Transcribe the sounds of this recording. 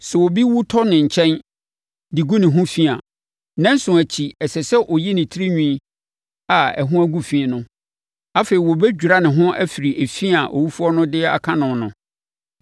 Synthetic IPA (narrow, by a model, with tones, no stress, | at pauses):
sɛ˨wɔ˨bi˦wu˦tʰɔ˦nɪ̃˨ɲ̩˨t͡ɕʰɛ̃˦n | di˨ɡu˦nɪ̃˨ɦʊ̃˦fi˦a˨ | nɛ̃˦n̩˦sʊ̃˨æ˨t͡ɕʰi˨ɛ˨sɛ˨sɛ˦ʔɔ˨ji˦nɪ̃˨tʰi˦ɾi˦ɲᶣĩ˦˨˦ | a˨ɛ̰˨ɦʊ̃˦æ˦ɡu˦fĩ˨nʊ̃˦ | a˦fe˨ɾi˨wɔ˨bɛ˦d͡ʑᶣu˨ɾa˦nɪ̃˨ɦʊ̃˦ʔæ̰˦fi˨ɾi˨ʔe˨fi˦a˨ʔo̰˨wu˦fu˦ɔ˦nʊ̃˦dɪ˦a̰˨kʰã˦nʊ̃˨nʊ̃˨